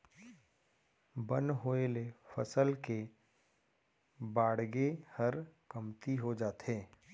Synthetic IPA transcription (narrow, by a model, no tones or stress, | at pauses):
bə̃nɦoelefɐsəlke | baːɽɡehɐɾkəmt̪iɦod͡ʒaːt̪eː